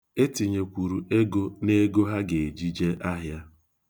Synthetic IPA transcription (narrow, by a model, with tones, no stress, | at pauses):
e˦ti˨ɲe˨kʷu˨ɾu˨e˦ɡo˦ne˦ɡo˦ɦa˦ɡe˨d͡ʒi˦d͡ʒe˦ʔa˦ɦja˦